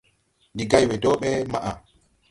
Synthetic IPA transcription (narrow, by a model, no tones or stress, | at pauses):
ndiɡajwɛdɔːɓɛmaʔa̰